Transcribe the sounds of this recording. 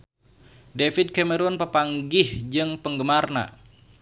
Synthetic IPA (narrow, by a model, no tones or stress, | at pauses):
defɪd̚kɛməɾɔnpəpaŋɡɪhd͡ʒɨŋpəŋɡəmarna̰